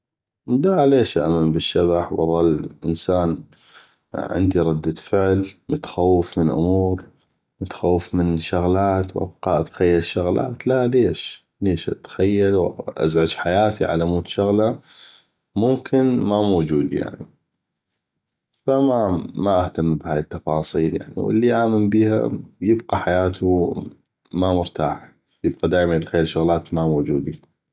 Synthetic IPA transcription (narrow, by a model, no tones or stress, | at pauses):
laleːʃʔa̰ʔmanbəʃːaβaħwʔɑ̰ðˤɑlʔɪnsaːn | ʕɪ̰nd̪iɾˤɑd̪ːafɪʕlmʊt̪ḁxawːəfmənʔʊ̰muːɾ | mʊt̪ḁxawːəfmɪnʃʊɣlaːt̪wʔa̰b̚qɑːʔat̪ḁxajːalʃːʊɣla̰ːt̪laleːʃ | leːʃʔa̰t̪xajːalwʔa̰zʕad͡ʒħajaːt̪iʕa̰lamuːt̪ʃʊɣla | mʊmkʰɪnmamoːd͡ʒuːd̪ija̰ʕni | famamaʔaht̪amːbhaːjt̪ːɑfɑːsˤiːlja̰ʕnḭwə̰lːiʔaːmanbiːha̰jɪbqɑħajaːt̪ʰu | mamʊɾt̪aːħ | jɪb̚qɑd̪aːʔmanʔt̪xajːalʃʊɣlaːt̪mamoːd͡ʒuːd̪i